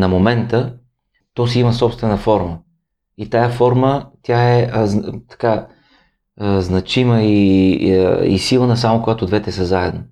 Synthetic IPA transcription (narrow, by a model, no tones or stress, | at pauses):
nɐmomɛnt̪ə | t̪ɔs̬iiməsɔpst̪vɛnəfɔɾmə | it̪ajəfɔɾmət̪ʲjaɛəzt̪ɐ̥ka | znɐt͡ʃiməi | ḭsilˠənɐs̬amokoɡat̪od̪vɛt̪ɛsəzaɛd̪no